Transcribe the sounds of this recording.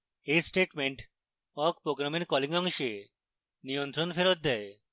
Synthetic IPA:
esʈeʈmeɳʈ | ɔkpɾoɡɾamenkɔliŋɡɔŋʃe | nijɔnt̪ɾɔnfʰeɾot̪̚d̪ɛe

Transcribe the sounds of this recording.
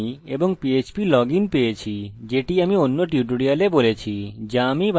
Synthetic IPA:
eboŋpiet͡ɕpilɔɡinpejet͡ɕʰid͡ʑeʈiamionːoʈjuʈuɽialebolet͡ɕʰid͡ʑamib

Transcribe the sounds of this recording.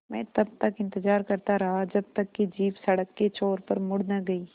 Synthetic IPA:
mɛ̰̃ːt̪ɐb̚t̪ɐkɪ̃nt̪ɪzaːɾkɐɾt̪aɾɐɦad͡ʒɐb̚t̪ɐkːid͡ʒiːpsɐɽəkːet͡ʃoːɾpɐɾmʊɽnaɡɐiː

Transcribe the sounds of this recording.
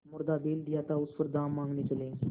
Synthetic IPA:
mʊɾd̪abeld̪ijat̪ausfəɾd̪amːãŋɡniːt͡ʃəlẽ

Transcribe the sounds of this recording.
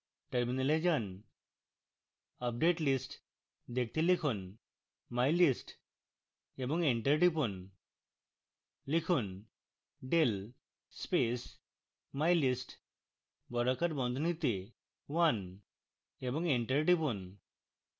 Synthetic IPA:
ʈəɾminəled͡ʑən | əp̚ɖeʈlisʈ | d̪ek̚t̪ilikʰuːn | majlisʈ | ebə̃ŋɡeɳʈəɾʈipun | likʰuːn | ɖelː | pes | majlisʈ | bɔɾəkəɾbɔ̃nd̪ʱnit̪e | ʋan | ebə̃ŋɡeɳʈəɾʈipun

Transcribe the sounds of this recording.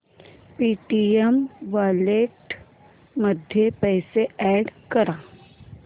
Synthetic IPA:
piːʈiemʋaːleʈ | mɐd̪ʱjepɛːseɛːɖkɐɾaː

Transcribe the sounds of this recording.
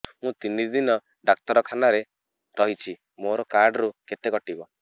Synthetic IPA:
mũt̪inid̪inɔ | ɖak̚t̪ɔɾɔkʰanaɾe | ɾɔɦit͡ʃʰi | moɾɔkaɾɖɔɾuket̪eɡɔʈibɔ

